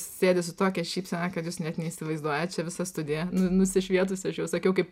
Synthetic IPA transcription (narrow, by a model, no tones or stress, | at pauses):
ssʲeːd̪ʲɪsʊt̪oːkʲɛʃʲiːpsʲɛnɑkɐt̪juːsnʲɛt̪nʲɛiːsʲɪʋɐɪzd̪uɔjɛt͡ʃʲɛʋʲɪsɐst̪ʊd̪ʲɪjɛnʊnʊsʲɪʃʲʋʲiɛt̪ʊsʲɐʃjɛʊsɐkʲɛʊkɐɪp